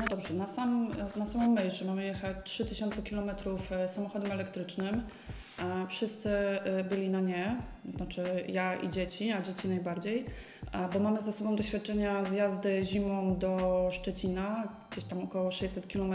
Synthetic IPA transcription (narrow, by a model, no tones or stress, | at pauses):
nɔd̪ɔbʐɛnasamnasamɔmːɛʑʐɛmamɘjɛxat͡ɕtʂɘt̪ɘɕɔnt̪sɛkʲilɔmɛt̪ɾufsamɔxɔd̪ɛmɛlɛkt̪ɾɘt͡ʂnɘm | fʂɘst̪sɘbɘlʲinaɲɛznat͡ʂɘjaḭd͡ʑet͡ɕiad͡ʑet͡ɕinajbaɾd͡ʑej | bɔmamɘzasɔbɔ̃w̃d̪ɔɕfʲat̪̚t͡ʂɛɲazjazd̪ɘʑimɔmd̪ɔʂt͡ʂɛt͡ɕinaɡ̥d͡ʑeɕt̪amɔkɔwɔʂɛjt͡ɕʲsɛt̪̚kʲilɔmɛ